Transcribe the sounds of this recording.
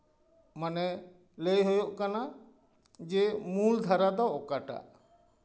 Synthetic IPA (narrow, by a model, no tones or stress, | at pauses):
manɛ | lejɦojoʔkana | d͡ʒɛmuld̪ʱaɾad̪ɔːkaʈa̰ʔ